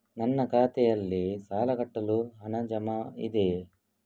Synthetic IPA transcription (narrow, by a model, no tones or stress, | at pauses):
nɐnːɐkaːt̪ɛjɐlːisaːlɐɡɐʈːɐluɦɐnɐd͡ʒɐmɐḭd̪e